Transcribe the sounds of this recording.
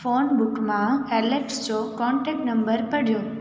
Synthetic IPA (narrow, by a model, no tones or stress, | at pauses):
fonbukmãɛleʈst͡ʃokɔɳʈɛk̚ʈnəmbəɾpəɽjo